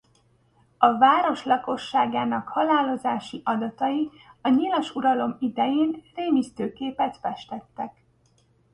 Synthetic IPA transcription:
ɒvaːɾo̞ʃlɒko̞ʃːaːɡaːnɒkhɒlaːlo̞zaːʃiʔɒd̪ɒt̪ɒji | ɒɲilɒʃuɾɒlo̞mid̪ɛjeːnreːmist̪øːkeːpɛt̪fɛʃt̪ɛt̪ːɛk

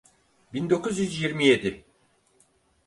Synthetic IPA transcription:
bind̪o̞kʰuzjyzjiɾmije̞d̪ɪ

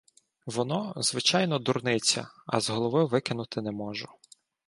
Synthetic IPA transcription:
ʋɔnɔzʋɪt͡ʃɑjnɔd̪urnɪt͡sʲɐ̰ɐ̰zɦɔlˠɔʋɪʋɪkɪnʊt̪ɪnɛmɔʒʊ

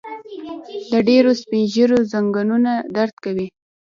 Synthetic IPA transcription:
d̪əɖeɾospinʒəɾozaŋɡanunad̪aɾt̪kawi

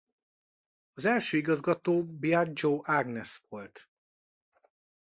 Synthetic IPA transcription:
ɒzɛlʃøːiɡɒzɡɒt̪oːbiad͡ʒoːʔaɡnɛsʋo̞lt̪

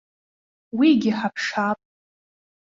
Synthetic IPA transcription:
wiɡʲɪħapʰʂapʼ

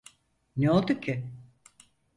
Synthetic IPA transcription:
neo̞lˠd̪ucʰɪ

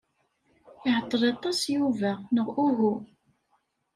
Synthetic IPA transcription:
ɪʕət̪ˤːəɾˤɑt̪ˤːɑsjuvænəʁuɦu

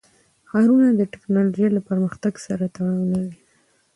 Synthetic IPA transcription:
xɑɾunad̪əʈɪ̥knɑloʒejlapəɾməxt̪aɡsaɾat̪aɽɑwnawi

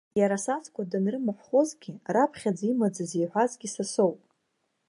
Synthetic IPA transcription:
jaɾasat͡sʰkʷʰʼadanrɨmɨħʷχozɡʲɪrapʰχʲad͡zimad͡zazejħʷᶣazɡʲisaso̞wpʼ

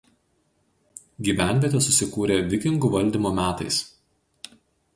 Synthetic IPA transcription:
ɡʲiːʋʲæˑnʲʋʲeːt̪ʲeːsʊsʲɪkuːɾʲeːʋʲɪkʲɪŋɡuːʋɐlʲd̪ʲiˑmoːmʲæːt̪ɐ̰ɪs

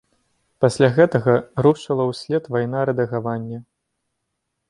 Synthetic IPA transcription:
pasʲlʲaɣɛt̪ɐɣɐɾuʂɐlˠɐwsʲlʲɛt̪vajnaɾɛd̪ɐɣavanʲːɐ

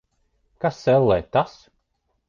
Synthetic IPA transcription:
kasːɛlˠːɛːt̪as

